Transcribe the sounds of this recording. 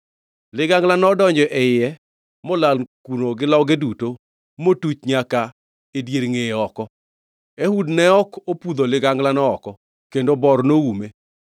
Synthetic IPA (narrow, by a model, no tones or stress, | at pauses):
lɪɡaŋɡlanɔdɔɲd͡ʒɔʔɛɪɛ | mɔlalkunoɡɪlɔɡeduto | motut͡ʃɲaka | edjeɾŋeɔkɔ | ehudnɛɔkopud̪olɪɡaŋɡlanɔːkɔ | kendobɔrnoume